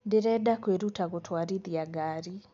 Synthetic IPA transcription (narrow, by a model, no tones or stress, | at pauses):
ndɪɾɛdakweɾutaɣotʰwaɾiðiaɡaːɾi